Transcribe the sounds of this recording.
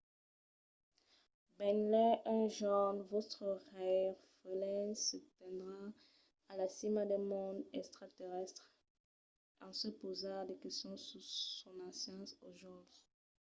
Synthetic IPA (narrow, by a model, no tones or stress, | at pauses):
bɛnlɛʔɛ̃ʒɔnvot̪ʁəʁɛʁfəlɛ̃nsət̪ɛ̃d̪ʁa | alasimad̪ɛmɔ̃d̪ɛkst̪χat̪eʁɛst̪χ | ɑ̃səpozaʁd̪əkɛstɔ̃susɔ̃nɑ̃sjɑ̃soʒɔ̃bʁ